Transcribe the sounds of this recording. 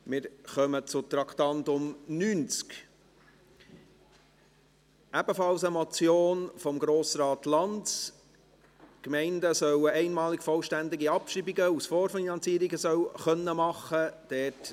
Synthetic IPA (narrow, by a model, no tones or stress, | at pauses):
mɪɾχœmət͡sʊt̪ɾɑkt̪ɑntʊmnyːnt͡sk | æb̥əfɑlsəmɔt͡sjoːnfɔmɡɾoːsɾɑːtlɑnts | kmɛɪndəsœwəɛɪnmɑːlɪkfɔlʃtænd̪ɪɡiɑpʃribiɡəusfɔːɾfinɑnt͡siːɾiɡəsœwχœnːəmɑχəd̥ɛt